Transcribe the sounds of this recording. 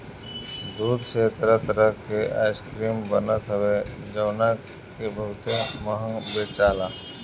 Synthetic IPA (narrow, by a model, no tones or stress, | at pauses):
d̪uːd̪ʱset̪əɾət̪əɾəkeʔa̰ːɪskɾiːmbənət̪ɦʊwed͡ʒəʋna | kebəɦʊt̪eməɦə̃ŋbeːt͡ʃaːlaː